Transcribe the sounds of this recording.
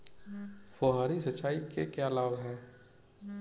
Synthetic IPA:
foɦaːɾisɐt͡ʃaːikekeəlaːʋɦɛ̃ː

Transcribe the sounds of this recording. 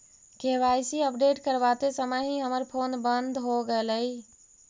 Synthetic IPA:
keʋajsiəpɖeʈkəɾbat̪esəməɦĩɦəməɾpʰonbənd̪ʱɦoɡeləi

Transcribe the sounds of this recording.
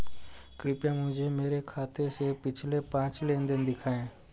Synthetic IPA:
kɾɪpjãːmʊ̃d͡ʒʱemeːɾekʰaːt̪esepɪt͡ʃʰlepãːt͡ʃlend̪ɪnd̪ɪkʰaːẽː

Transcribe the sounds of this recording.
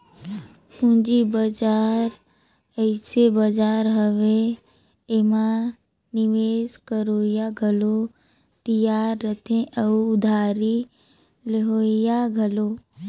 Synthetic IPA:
ũd͡ʒibəd͡ʒaːɾ | əɪsebəd͡ʒaːɾɦəʋe | emã | nɪʋeːskəɾoːjaɡʱəlo | t̪ijaːɾːət̪ʰẽʔəuʊd̪ʱaːɾi | leɦoːjaɡʱəloː

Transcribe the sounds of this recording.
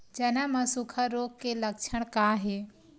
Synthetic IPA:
d͡ʒɐnaməsukʰaɾoːkkːeləkt͡ʃʰəɽ̃kaːɦeː

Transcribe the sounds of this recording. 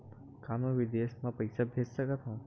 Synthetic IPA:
kaːmoʋid̪esmãpɐjsabʱed͡ʒsəkət̪ɦõ

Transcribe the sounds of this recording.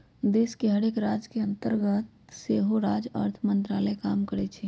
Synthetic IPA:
d̪eːskeɦɐɽeːkɾaːd͡ʒkeɐ̃nt̪əɾɡət̪̚ | seɦoɾaːd͡ʒə̰ɾt̪ʰmə̃nt̪ɾaːləekaːmkəɾet͡ʃʰe

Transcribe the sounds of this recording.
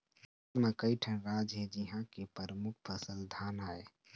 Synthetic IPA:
mekəiʈʰənɾaːd͡ʒɦɛd͡ʒiɦãkepəɾəmukʰpʰəsəld̪ʱaːnae

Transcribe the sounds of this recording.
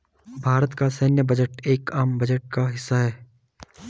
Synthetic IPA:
bʱaːɾət̪kasɛːnjəbɐd͡ʒəʈeːkaːmbɐd͡ʒəʈ̚kaɦɪsːaɦɛː

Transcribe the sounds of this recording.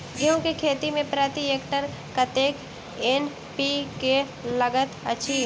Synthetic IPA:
ɡjõkekʰeːt̪imẽpɾaːt̪ieːkʈəɾ | kət̪eːkʰ | en | pike | ləɡət̪əːt͡ʃʰi

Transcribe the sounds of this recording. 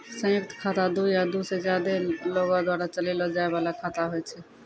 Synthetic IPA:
sə̃jək̚t̪ʰkʰat̪ad̪ujad̪used͡ʒjad̪eloɡad̪waɾat͡ʃəlelɔd͡ʒaebalakʰat̪aɦoɛt͡ʃʰɛ

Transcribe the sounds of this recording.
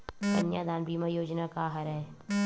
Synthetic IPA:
d̪ɐnjaːd̪aːnbiːmajoːd͡ʒnakaːɦɐɾɐɦeː

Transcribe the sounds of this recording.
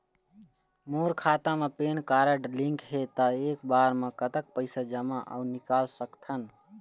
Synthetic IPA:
moːɾkʰaːt̪ãmẽpeːnkaːɾəɖlĩŋkɦet̪əeːkbaːɾmẽkət̪ək̚pəɪsad͡ʒəmaʔa̰unɪkaːlsəkt̪ʰən

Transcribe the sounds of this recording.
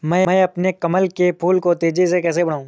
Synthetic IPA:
mɛ̃ːɐpnekɐməlkepʰuːlkot̪eːd͡ʒis̬ekɛːs̬ebɐɽaːũː

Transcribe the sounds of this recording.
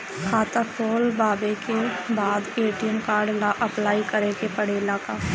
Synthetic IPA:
kʰaːt̪apʰoːlbaːbekebaːd̪eːʈijəmkaːɾɖlaʔəplaːikəɾekepəɽeːlaːkaː

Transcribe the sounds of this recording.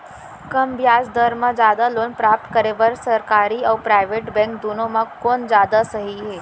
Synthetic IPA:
kəmbjaːsd̪əɾmãd͡ʒaːd̪aloːnpɾap̚t̪kəɾeʋəɾsəɾkaːɾiawpɾaːɪʋeːʈbɛ̃ŋkd̪unõmãkoːnd͡ʒjaːd̪asəɦiɦe

